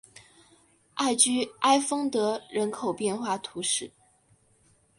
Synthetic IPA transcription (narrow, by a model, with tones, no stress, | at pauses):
a˥˩ɪt͡ɕy˥ʔa˥ɪfɤ˥ŋt̪ɤ˧˥ɻə˧˥nkʰo˨˩ʊpjɛ˥˧nxwa˥˩t̪ʰu˧˥ʂɻ̩˥˩